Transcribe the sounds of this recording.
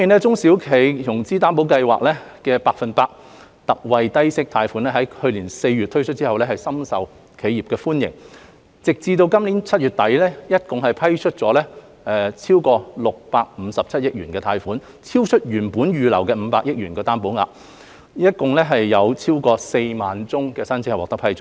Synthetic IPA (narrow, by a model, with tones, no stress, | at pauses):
fɔ˥mi˨nɛː˥t͡sʊ˥ŋsiː˨˥wkʰe˨˥jt̪ʰʊ˨˩ŋt͡siː˥t̪aː˥np̬o˨˥wkɐ˧jwa̰ː˨k̚lɛː˥kɛː˧paː˧k̚fɐ˨npaː˧k̚ | t̪ɐ˨k̚wɐ˨˧jt̪ɐ˥jsɪ˥k̚t̪ʰaː˧jfu˨˥nlɛ˥ɦɐ˨˥jhɵ˧ɥliː˨˩nse˧jɥy˨t̪ʰːɵ˥ɥt͡ʃʰɵ˥t̚t͡siː˥ɦɐ˨wlɛː˥hɐ˨jsɐ˥msɐ˨w | kʰe˨˧jiː˨p̚kɛː˧fuː˥njɪ̰˨˩ŋ | t͡sɪ˨k̚t͡siː˧t̪o˧wkɐ˥mliː˨˥nt͡sʰɐ˥t̚jyː˨˩t̪̚ɐ˨˥jlɛː˥jɐ˥t̚kʊ˨ŋɦɐ˨jpʰɐ˥jt͡ʃʰɵ˥t̚t͡sɔː˨˥lɛː˥ | ʔɛː˨˩t͡sʰiː˥wkɔː˧lʊ˨k̚paː˧k̚m̩˨˧sɐ˨p̚t͡sʰɐ˥t̚jɪ˥k̚jyː˨˩nkɛː˧t̪ʰaː˧jfuː˨˥n | t͡sʰiː˥wt͡ʃʰɵ˥t̚jyː˨˩npuː˨˥njyː˨lɐ˨˩wkɛː˧m̩˨˧˦paː˧k̚jɪ˥k̚ɥyː˨˩nkɛː˧t̪aː˥npo˨˥ŋa̰ː˨˧ | jɐ˥t̚kʊ˨ŋlɛː˥ɦɐ˨jːɐ˨˧wt͡sʰiː˥wkɔː˧se˧jmaː˨nt͡sʊ˥ŋkɛː˧sɐ˥nt͡sʰi˧˥hjwɔː˨k̚t̪ɐ˥pʰɐ˥jt͡ʃʰ